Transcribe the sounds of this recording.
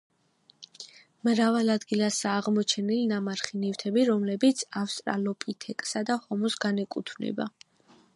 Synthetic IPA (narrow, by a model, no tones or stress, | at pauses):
mɾavalad̪ɡilasaːʁmɔt͡ʃʰɛnilinamaɾχinift̪ʰɛbiɾɔmlɛbit̪sʰafst̪ʼɾa̰lɔpʼit̪ʰɛkʼsad̪ahɔmɔsɡanɛkʼṵt̪ʰvnɛ̰ba̰